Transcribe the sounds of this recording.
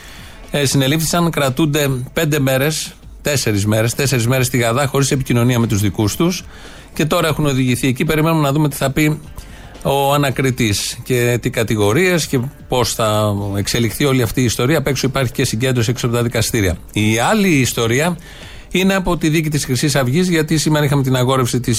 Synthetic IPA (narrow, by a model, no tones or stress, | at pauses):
sine̞lifθi̥sɐŋkɾɐt̪und̪e̞pe̞nd̪e̞me̞ɾe̞s | t̪e̞se̞ɾizme̞ɾest̪e̞se̞ɾizme̞ɾe̞st̪iɣɐðɐxo̞ɾise̞picino̞niɐme̞t̪uzðikust̪us | ce̞t̪o̞ɾɐe̞xuno̞ðiʝiθie̞cipe̞ɾime̞numenɐðumet̪i̥θɐpi | o̞ɐnɐkɾit̪isce̞t̪ikɐt̪iɣo̞ɾie̞sce̞po̞sθɐekse̞lixθio̞liɐft̪iːst̪o̞ɾiɐpe̞ksoipɐɾçicesiɲɟe̞nd̪ɾo̞sieksɐpot̪ɐðikɐst̪iɾiɐ̰ | iɐliːst̪o̞ɾiɐ | ine̞ɐpo̞t̪iðic̬it̪isxɾisisɐvʝizʝɐt̪isimeɾɐixɐme̞t̪inɐɣo̞ɾefsit̪is